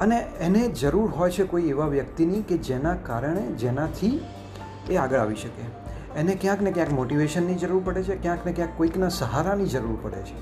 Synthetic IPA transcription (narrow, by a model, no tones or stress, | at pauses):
əneened͡ʒəɾuɾɦɔjt͡ʃʰekoieʋaʋjəkt̪iniked͡ʒenakaɾəɳed͡ʒenat̪ʰi | eaɡəɭa̰ʋiʃəke | enekjãknekjãkmoʈiʋeʃənːid͡ʒəɾuɾpəɽet͡ʃʰekjãknekjãkːoiknasəɦaɾanid͡ʒəɾuɾpəɽḛt͡ʃʰe̥